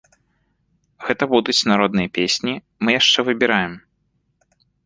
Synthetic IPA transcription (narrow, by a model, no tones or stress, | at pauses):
ɣɛt̪ɐbud̪ut͡sʲnaɾɔd̪nɨjɐpʲesʲnʲi | mɨjaʂt͡ʂɛvɨbʲiɾajɛm